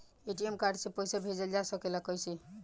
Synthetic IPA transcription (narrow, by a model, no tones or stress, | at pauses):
eʈiemkaɾɖsẽpɔjsabʱed͡ʒeld͡ʒasəkelakɔjsʰi